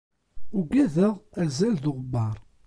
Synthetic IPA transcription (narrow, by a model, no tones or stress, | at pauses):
ʊɡæðəʁæzælðʊʁbɑɾˤ